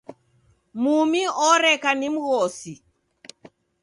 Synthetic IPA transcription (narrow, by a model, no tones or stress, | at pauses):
mumiɔɾɛkanim̩ɣɔsi